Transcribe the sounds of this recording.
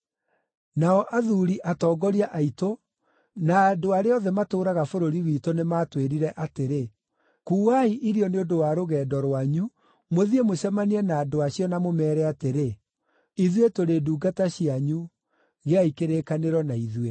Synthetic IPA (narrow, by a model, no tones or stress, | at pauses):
naɔʔaðuɾiʔatɔːɡɔɾiaʔaito | naːdoaɾeɔðɛmatoːɾaɣafoɾoɾiwitonematweɾiɾɛʔateɾe | kuːɣaiʔiɾiɔneodowaɾoɣɛːdɔɾwaɲu | moðiemoɕɛmaniɛnaːdoaɕiɔnamomɛːɾɛateɾe | iðwetoɾeduːɡataɕiaɲu | ɣeaikeɾekaneɾɔnaiðwe